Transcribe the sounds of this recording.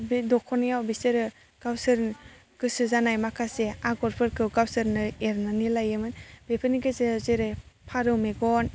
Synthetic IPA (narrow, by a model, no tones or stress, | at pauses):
bdɔkʰɔnjawbiseɾɯ | ɡ̥awsɯɾn | ɡ̥ɯsɯzanajmakʰaseaɡɔɾpʰɯɾkʰɯwɡawsɯɾnɯeɾnanilajɯmɯnbepʰɯniɡezezeɾejpʰaɾɯwmeɡɔn